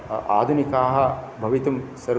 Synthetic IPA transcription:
a̰ːd̪ʱunikaːɦɐbʱɐʋit̪ɐmsɐɾ

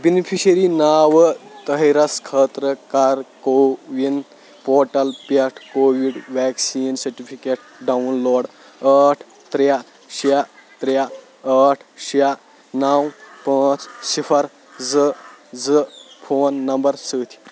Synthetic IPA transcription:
binipʰiɕəɾinaːʋət̪əɦiɾɐskʰəːt̪ɾəkaːɾkoʋind̪ | poːʈɐlpɐʈʰkoːʋiɖʋɛksiːnsɐɾʈipʰikeʈ̚ | ɖaunloːɽ | əʈʰ | t̪ɾja | ɕat̪ɾja | əʈʰɕija | nawpãːt͡ssifʰəɾ | d͡zəd͡zəfʰoːnːɐmbəɾsəːt̪ʰi̥

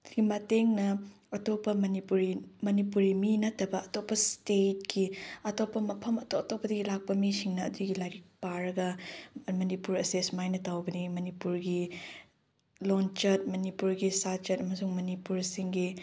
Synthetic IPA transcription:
ɡimɐteŋnɐ | ɐtopːɐmɐnipuɾimɐnipuɾiminɐtʰːɐbɐɐtopːɐstet̚kiɐtopːɐmɐpʰɐmɐtoɐtopːɐdɐɡilak̚pɐmisiŋnɐːduɡilaɡik̚paɾɐɡɐmɐnipuɾɐsesmajnɐtawbɐnimɐnipuɾɡi | lont͡ʃɐt̚mɐnipuɾɡisat͡ʃɐtɐmɐsuŋmɐnipuɾsiŋɡi

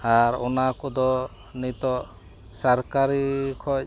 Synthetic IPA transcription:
aɾɔnakɔd̪ɔ | nit̪ɔ | saɾkaɾikʰɔ

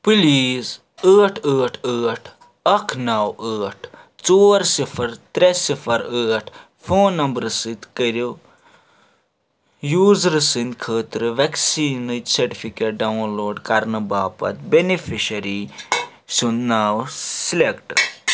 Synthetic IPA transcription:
piliːz | əːʈʰəːʈʰəːʈʰ | ɐkʰnɐwəːʈʰ | t͡soːɾsipʰɐɾt̪ɾesifʰɐɾəːʈʰ | fʰoːnnːɐmbɾɨsɨt̪kɐɾi | juːzɾɨsɨnkʰəːt̪ɾɨʋɐksiːnət̪sɐɾʈifʰikeːʈ̚ɖɐwnloːɖkɐɾnɨbaːpɐ̰t̪benifʰiʃɐɾi | sunnaːwsilekʈ

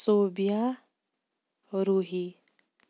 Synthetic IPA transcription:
soːbija | ɾuɦi

